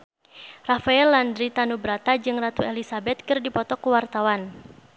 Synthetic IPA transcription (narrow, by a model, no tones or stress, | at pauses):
rafaɛlːandɾit̪anubɾat̪ad͡ʒɨŋrat̪uelisabɛt̪̚kɨrdipɔt̪ɔkuwart̪awan